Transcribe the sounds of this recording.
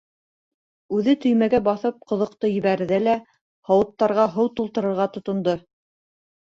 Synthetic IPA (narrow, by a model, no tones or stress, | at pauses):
ʉðɘt̪ɵ̆jmæɡæbɑθɤp̚qŏðŏq̚t̪ɤjɘ̆βæɾɘ̆ðælæ | hɑwɤ̆t̪ːɑɾʁɑɦɤwt̪ulˠt̪ɤ̆ɾɤ̆ɾʁɑt̪ŏt̪ŏnd̪ɤ